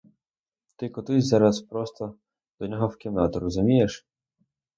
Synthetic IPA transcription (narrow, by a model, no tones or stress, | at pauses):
t̪ɪkɔt̪ɪzɑɾɐspɾɔst̪ɔ | d̪̥ɔnʲɔɦɔwkʲɪmnɑt̪ɔɾɔzʊmʲijeʃ